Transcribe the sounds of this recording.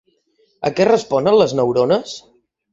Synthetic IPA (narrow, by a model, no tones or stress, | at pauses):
əkɛrəspɔnənləznəwɾonəs